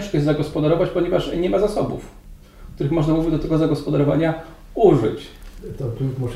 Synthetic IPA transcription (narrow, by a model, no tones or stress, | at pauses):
ʂkɔjɛzzaɡɔspɔd̪aɾɔvat͡ɕpɔɲɛvaʂɲɛmazasɔbṵf | k̚t̪uɾɘxmɔʐnamuvʲid͡ʑd̪ɔt̪ɛɡɔzaɡɔspɔd̪aɾɔva̰ɲa | uʐɘ̰t͡ɕt̪ɔkumuʂ